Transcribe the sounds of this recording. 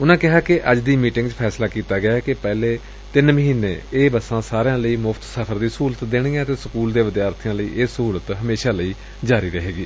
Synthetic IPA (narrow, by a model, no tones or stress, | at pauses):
ʊnãːkɪɦaːkɪʔəd͡ʒd̪iːmiːʈɪ̃ŋɡt͡ʃpʰɛːslaːkiːt̪aːɡɪjaːkɪpɛːleː | t̪ɪnməɦiːneːeːbəsãːsaːɾjãːləiːmʊpʰt̪səpʰəɾd̪iːsuːlət̪d̪eːɽ̃ɪjãːət̪eːsəkuːld̪eːʋɪd̪jaːɾt̪ʰijãːləḭːʔesəɦuːlət̪ɦəmeːʃaːləiː | d͡ʒaːɾiːɾəɦeːɡiː